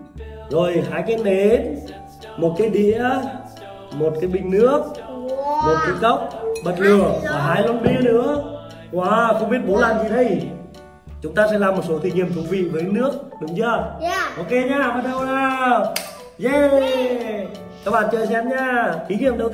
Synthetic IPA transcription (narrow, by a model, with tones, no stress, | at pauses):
zo˨˩jɦaː˧˩jkɛ˧nɗe˨˦n | mo˨˩t̚kaː˨˦jɗḭ˧˨ə | mo˨˩t̚kaː˨˦jɓï˧˨ŋ̟nɨ˦˥ək̚ | mo˨˩t̚kḭ˧˨˦kə˦˥wk͡p̚ɓə˨˩t̚lɨ˨˩ə˨aː˨˩ɦaː˧˩jka˧˦nɓi˧ənɨ̰˧˥ə | kwaː˨˦xə˧ŋ͡mɓi˦˥ət̚ɓo˨˦laː˧˨˩mzi˨˩ɗə˧j | t͡ɕʊ˨˦ŋ͡mt̪aː˧sɛ̰˧˥laː˨˩mo˨˩t̚so˨˦t̪i˨˩ŋhi˨˩əmt̪ʊ˨˧˩vḭ˧˨vəː˨˦˧nɨ˦˥ək̚ɗʊ˨˦ŋ͡mt͡ɕə˧əʔo˧wke˧ɲaː˧ɓə˨˧˥t̚ɗə˧˩waː˧˩ | ze˧ | kaː˦˥k̚ɓa̰ː˧˨t͡ɕəː˧˩sɛ˧mɲaː˧ʔi˨˦ɲḭ˧˨əmɗə˧w